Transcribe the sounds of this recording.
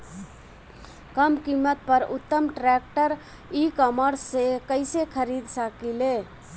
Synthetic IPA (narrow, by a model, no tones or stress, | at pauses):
kəmkimːət̪̚pəɾʊ̰t̪ːəmʈɾɛk̚ʈəɾ | ikəməɾsekəɪsekʰəɾid̪səkile